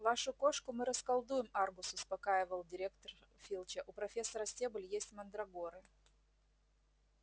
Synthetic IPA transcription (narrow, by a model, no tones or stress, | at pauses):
vaʂʊko̞ʂkʊmɨɾəskɐlˠd̪ujɪmarbʊsʊspɐkajɪvəlˠdʲɪɾʲekt̪ərfʲilˠt͡ɕəʔʊpɾɐfʲesːɐɾəsʲtʲebʊlʲjesʲtʲmɐnd̪ɾɐɡoɾɨ